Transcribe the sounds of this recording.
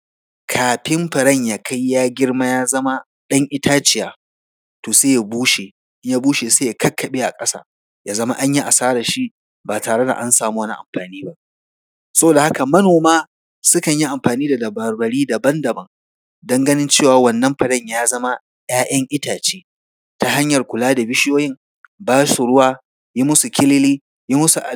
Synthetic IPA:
kʰaː˨ɸɪ˦mɸɐ˨ɽɐ˦˨ɲjaː˨kʰɐ˦jːaː˦ɡʲɪ˦rma˦jaː˦zɐ˦ma˦ | ɗɐ˦ŋʔɪ˦tʰaː˦t͡ʃɪ˨jaː˦ | toː˨seː˦ja˨buː˦ʃe˨ | ɪ˦ɲjaː˦buː˦ʃe˨seː˦ja˨kɐ˦kːɐ˨ɓeː˦ʔa̰˨kʼɐ˦sa̰ː˦ | jaː˦zɐ˦ma̰˦ʔa˦ɲji˦ʔa˨saː˦ɽa˨ʃi˦ʔ | baː˨taː˨ɽe˦da̰˨ʔa˦nsaː˨muː˦wɐ˦ni˦ʔa̰˨mɸaː˨niː˦ba˦ʔ | sɐ˦boː˨da˨ha˦ka˨mɐ˦noː˨maː˦ | sʊ˦kɐ˨ɲji˦ʔa˨mɸaː˨niː˦da˨dɐ˨bɐ˨ɾbɐ˨ɽiː˦da˨bɐ˦ndɐ˨bɐ˨ŋ | dɔ˦ŋɡɐ˦nɪ˦nt͡ʃeː˦˨waː˨wɐ˦˨nːɐ˦mɸɐ˨ɽɐ˦˨ɲjaː˦zɐ˦ma˦ | j̰aː˦ʔɐ˦ŋʔɪ˦taː˨t͡ʃeː˦ | ta˦ha˦ɲjɐ˨rkʷʊ˨laː˦da˨bɪ˦ʃɪ˦joː˦jɪ˦ŋ | baː˦su˨ɽʊ˦waː˦ | ji˦mʊ˦su˨kʲʰɪ˦lɪ˦liː˦ | ji˦mʊ˦su˨ʔa˨

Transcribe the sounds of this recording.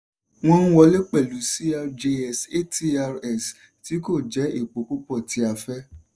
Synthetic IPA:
w̃ɔ̃˦ñ̩˦wɔ˧˦le˦k͡pɛ˦˨lu˨˦si˦a˧ɾd͡ʒe˧ɛ˦˨se˦ti˦a˧ɾɛ˦˨s | ti˨˦ko˦˨d͡ʒɛ˨˦i˦˨k͡po˨˦ku˦k͡pɔ˦˨ti˨˦a˧fɛ˦

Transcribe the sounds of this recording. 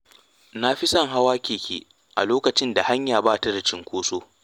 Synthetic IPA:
na˦ɸi˦sɐ˦ŋɦa˦waː˦kʲeː˨kʲʰḛː˨ | ʔa̰˨loː˦kɐ˨t͡ʃɪ˦nda˨ha˦ɲjaː˨baː˦ta˦da˨t͡ʃɪ˦ŋkʷoː˦soː˦

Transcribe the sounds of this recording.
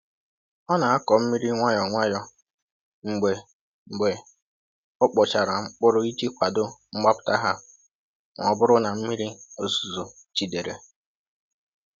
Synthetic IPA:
ɔ˦na˨a˦kɔ˨m̩˦mi˦ɾi˦ŋʷa˦jɔ˨ŋʷa˦jɔ˦ | ŋ͡m̩˨ɡ͡be˨ | ŋ͡m̩˨ɡ͡be˨ | ʊ˦k͡pɔ˨t͡ʃa˨ɾa˨ŋ͡m̩˦k͡pʊ˦ɾʊ˦i˦d͡ʒi˦kʷa˨dʊ˦ŋ͡m̩˦ɡ͡ba˦pʊ̥˦ta˦ɦa˦ | ŋʷ˨ɔ˨bʊ˦ɾʊ˦na˨m̩˦mi˦ɾi˦o˨zu˨zo˨ | t͡ʃi˨de˨ɾḛ˨

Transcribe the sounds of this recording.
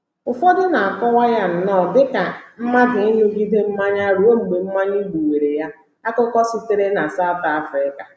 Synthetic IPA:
ʊ˨fo˦dɪ˦na˨a˨kɔ˦wa˦ja˦n̩˨nɔ˦˨dɪ˦ka˨m̩˦ma˦dɪ˨ɪ˦ɲ˦o˦ɡi˦de˦m̩˦ma˦ɲa˦ɾu˦o˦ŋ͡m̩˨ɡ͡be˨m̩˦ma˦ɲi˦ɡ͡bu˨we˨ɾe˨ja˦ | a˦kʊ˦kɔ˦si˦te˦ɾe˦na˨sa˦ʊ˨ta˦fɾɪ˦ka˨

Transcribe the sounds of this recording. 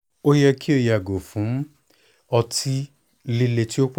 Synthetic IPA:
o˦jɛ˧kʰi˦o˧ja˨ɡo˨fũ˨˦m̩˦ | ɔ˧tʰi˦ | li˧le˧ti˦o˦k͡p

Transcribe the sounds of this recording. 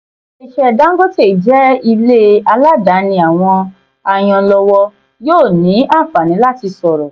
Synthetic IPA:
i˨ʃɛ˨da˨˦ɡo˦te˦˨d͡ʒɛ˦i˧le˦a˧la˦da˨˦nĩ˧a˨w̃ɔ̃˧ | a˨j̃ɔ̃˧lɔ˧wɔ˧ | joː˦˨nĩ˨˦a˦˨fa˨nĩ˨˦la˦ti˧sɔ˨ɾɔ˨

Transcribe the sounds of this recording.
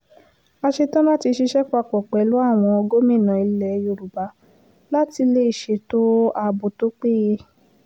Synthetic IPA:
a˧ʃe˧tã˦mã˦ti˧ʃi˧ʃɛ˦k͡pa˧˨k͡pɔ˨k͡pɛ˨˦lu˦a˦˨w̃ɔ̃˧ɔ˧ɡo˦mĩ˦˨nã˨i˧lɛ˨˧jo˧˨ɾu˨ba˨˦ | la˦ti˧le˧˦i˦˨ʃe˨˧˦to˦a˧bo˨to˦k͡pe˦je˧

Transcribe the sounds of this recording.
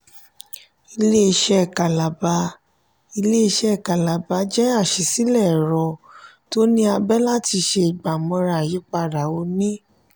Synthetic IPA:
i˧le˦i˧ʃɛ˦˨ka˨la˨ba˧˦ | i˧le˦i˧ʃɛ˦˨ka˨la˨ba˧d͡ʒɛ˦a˦˨ʃi˨si˦lɛ˦˨ɾɔ˨˧ | to˦nĩ˦a˧bɛ˦la˦ti˧ʃe˧i˨ɡ͡ba˨mɔ̃˨˧ɾa˨ji˨˦k͡pa˧˨ɾa˨o˧nĩ˦

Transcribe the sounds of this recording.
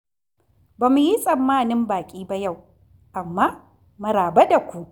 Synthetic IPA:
baː˨mu˦ji˦sʼɐ˨mːaː˦nɪ˦mbaː˨kʲʼiː˦ba˦ja˦˨w | ʔa˨mːaː˦ | mɐ˦ɾaː˨ba˦da˨kʷu˦ʔ

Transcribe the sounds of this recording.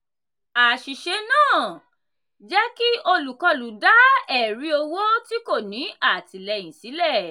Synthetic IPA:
a˨ʃi˨ʃe˧nãː˦˨ | d͡ʒɛ˦ki˦o˧lu˨kɔ˧lu˨da˦ɛ˨ɾi˨˦o˧wo˦ti˦ko˦˨nĩ˨˦a˦˨ti˨lɛ˧˨j̃ĩ˨si˨˦lɛ˦˨

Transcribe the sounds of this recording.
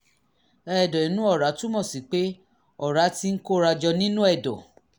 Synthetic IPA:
ɛ˦˨dɔ˨i˨˦nũ˦ɔ˦˨ɾa˨˦tu˦mɔ̃˦˨si˨k͡pe˦ | ɔ˦˨ɾa˨˦ti˧˦n̩˦ko˦ɾa˧d͡ʒɔ˧nĩ˦nũ˦ɛ˦˨dɔ˨

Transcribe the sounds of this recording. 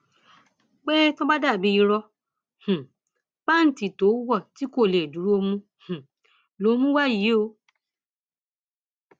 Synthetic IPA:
k͡pe˦tõ˦ba˦da˦˨bĩ˨˧i˧ɾɔ˧ | h̩˨ | ba˦n̩˨ti˨to˨˦wɔ˦˨ti˨˦ko˦˨le˨du˨˦ɾu˦o˧mũ˦ | h̩˨ | lo˨˦mũ˦wa˦˨ji˨˦o˧

